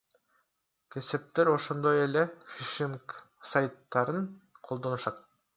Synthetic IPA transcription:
kʲʰe̞sep̚t̪eɾo̞ʃo̞nd̪o̞jelefʲiʃimk | sajt̪ːɑɾɯnqʰo̞lˠd̪o̞nuʃɑt̪̚

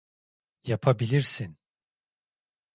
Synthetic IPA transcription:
japʰabilʲiɾsin

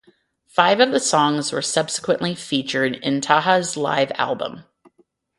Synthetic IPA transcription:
faɪvʌvðɨsɔ̃ŋzwə̰˞sʌb̥sə̥kwɨ̃nʔlifit͡ʃə˞ɾɪ̰̃ntʰɑɦəzla̰ɪvæ̰lˠbə̰̃m

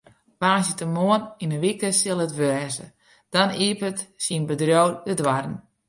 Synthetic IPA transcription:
ʋaːnsjətəmoəninəʋikəsɪlˠətʋɛːzə̰ | d̥ɔniːpətsinbədrjoːdədʋarən̩

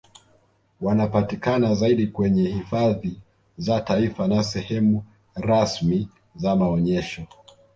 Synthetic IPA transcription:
wanapatikanazaiɗikwɛɲɛhifaði | zataifanasɛhɛmu | ɾasmi | zamaɔɲɛʃɔ

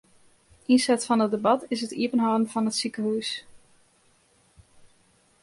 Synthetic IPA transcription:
ʔinsɛtfɑnət̚debɑtɪsɦətiəpənɦadən̩v̥ɑnətsikəɦuːs

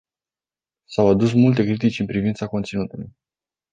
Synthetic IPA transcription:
sawad̪us̬mult̪e̞kɾit̪it͡ʃʲɨnpɾivint̪sako̞nt̪sinut̪uluj

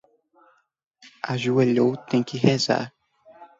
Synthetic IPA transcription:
aʒueʎowt̪ẽj̃kɪɦɛza̰ɾ

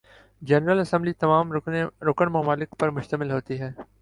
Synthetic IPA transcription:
d͡ʒɛnɾəlɐsə̃mblit̪ɐmaːmɾoːkənmɐmaːlɪkpɐɾmʊʃt̪əmɪlɦoːt̪iɦɛː

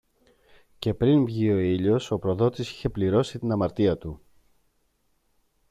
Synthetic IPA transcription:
ce̞pɾinvʝio̞iʎo̞so̞pɾo̞ðo̞t̪isi̥çe̞pliɾo̞sit̪inɐmɐɾt̪iɐt̪u

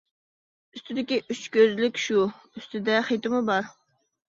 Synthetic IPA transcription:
yst̪ʰɪd̪ɪkʲiʔyt͡ʃkʲøzlɪkʲʃu | yst̪ʰɪd̪ɛχet̪ɪmɨbɑɾ

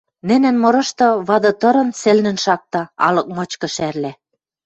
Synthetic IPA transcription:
nɘ̆næ̆nmɤ̆ɾɤ̆ʃt̪ɤ̆βɑd̪ɤ̆t̪ɤ̆ɾɤ̆nsĕlnɘ̆nʃɑk̚t̪ɑɑ̰lɤ̆k̚mɤ̆t͡ɕkɤ̆ʃærlæ

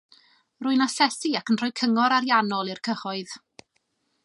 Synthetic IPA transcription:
rʊɨnasɛsiakənr̥ɔjkʰəŋɔɾaɾjanɔlˠirkʰəχɔɨð̥

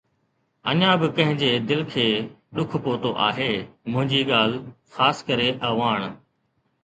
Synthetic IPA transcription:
ɐ̰ɲãbɪkɐ̃ɦɪ̃ɲd͡ʑeːd̪ɪlkʰeː | ɗʊkʰpoːt̪oʔa̰ːɦeːmʊ̃ɦɪ̃ɲd͡ʑiːɠaːl̤ | xaːskəɾeʔɐɦʋaːɳ̃

